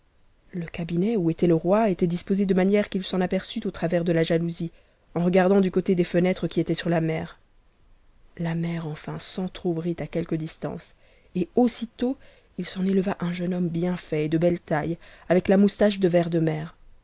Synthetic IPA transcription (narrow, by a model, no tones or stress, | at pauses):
ləkabinɛuet̪ɛləʁwaet̪ɛd̪ispozed̪əmanjɛʁkilsɑ̃napɛʁsyt̪ot̪χavɛʁd̪əlaʒaluzi | ɑ̃ʁəɡaʁd̪ɑ̃d̪ykot̪ed̪efənɛt̪χəkʲiet̪ɛsyʁlamɛːʁ | lamɛʁɑ̃fɛ̃sɑ̃t̪χobʁit̪akʲɛlkəd̪ist̪ɑ̰̃s | eosit̪o | ilsɑ̃neləvaʔɛ̃ʒənɔmbjɛ̃fɛed̪əbɛlt̪ajavɛklamust̪aʃ̬d̪əvɛʁd̪əmɛːʁ